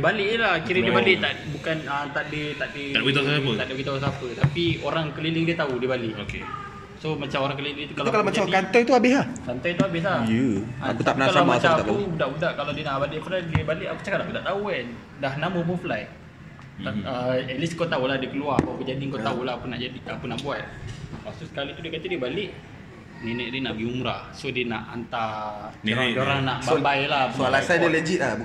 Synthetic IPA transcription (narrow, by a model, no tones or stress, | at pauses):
dibaliʔlakiɾidibalit̪aʔbukanət̪aʔdit̪aʔdiait̪asaaəaʔdiwit̪ausaput̪apioɾaŋkəlilɪŋdiət̪audiəbaliʔokḛ | somat͡ʃamoɾaŋkəliiət̪ukalkalamat͡ʃakant̪ɔjt̪uabɪhlahkant̪ɔjt̪uabɪɦlajəauapakalamat͡ʃamaakubudaʔbudaʔkaladiənaʔbaliʔpuladiəbaliʔakut͡ʃakadaʔkut̪aʔt̪auɛ | daɦnaməbufəlaj | əeliskot̪auladiəkəluapaakud͡ʒadiŋkot̪aulaakunaʔd͡ʒadiakunaʔbuat̪̚pasusə̥kalit̪udiəkat̪udiəbalɪʔ | nenɛʔdiənaʔɡiumɾasodina̰ʔa̰nt̪aod͡ʒoɾaŋnaʔbabajlapualasajdiəled͡ʒiʔ̪la